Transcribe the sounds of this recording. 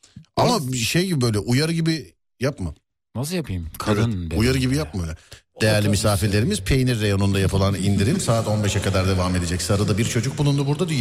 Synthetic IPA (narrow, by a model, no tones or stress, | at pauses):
amaʃejɟibibø̞jlʲɛʔujaɾɯɟibi | japmɯ | nasɯjapʰɯjmkʰanujaɾɯɟibijap̚mɯlʲɛd̪̥e̞jæɾlʲimisaːfiɾlʲe̞ɾimiz̥pʰe̞jniɾːejo̞nund̪ajapʰɯlˠanind̪iɾimsaːt̪o̞nbɛʃɛkad̪aɾd̪e̞vame̞d̪e̞d͡ʒɛcsaɾɯd̪abiɾt͡ʃʰo̞d͡ʒuk̚bulˠund̪ubuɾd̪ad̪i